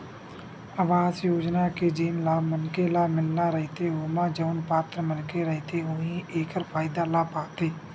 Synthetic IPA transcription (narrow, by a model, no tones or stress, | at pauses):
əʋaːzjoːd͡ʒnaked͡ʒiːmlaːmənkelaːmɪlnaɾəɦɪt̪eɦoːmãd͡ʒəʊnpaːt̪ɾəmənkeɾəɦɪt̪eɦoːɦĩʔeːkəɾpʰaːɪd̪alaːpaːt̪eː